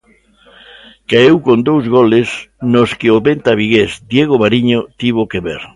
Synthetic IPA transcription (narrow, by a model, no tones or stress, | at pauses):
kaewkond̪owzɣolesnoskɪoβent̪aβ̞iɣesd̪jeɣ̞oβaɾiɲot̪iβokeβḛɾ